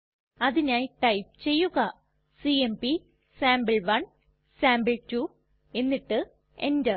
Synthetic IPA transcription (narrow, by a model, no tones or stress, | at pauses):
ɐðinaːjʈɐjp̚t͡ɕe̞jːuɣɐ | siembi | saːmbɨɭʋɐn | saːmbɨɭtuː | e̞nːiʈːɨ | e̞nde